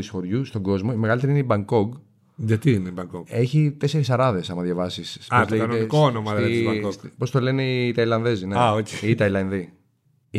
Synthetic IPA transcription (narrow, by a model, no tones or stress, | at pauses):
isfo̞ɾʝust̪o̞ɡo̞zmo̞imeɣɐlit̪eɾineibɐŋko̞ɡ | ʝɐt̪iineibɐŋkoɡe̞çit̪e̞se̞ɾisɐɾɐðe̞sɐmɐðʝɐvɐsisɐt̪lekɐnoeikoonomɐɐkopo̞st̪o̞le̞neit̪ɐilɐnðe̞zineɐoçeiːt̪ɐilɐnði